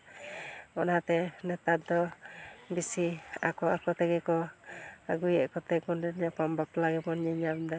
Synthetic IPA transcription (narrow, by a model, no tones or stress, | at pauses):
ɔnat̪ɛnɛt̪at̪̚d̪ɔbisia̰kɔakɔt̪ɛɡɛkɔ | aɡujɛʔkɔt̪ɛɡɔndɛnɲapambaplaɡɛbɔnɲiɲamd̪a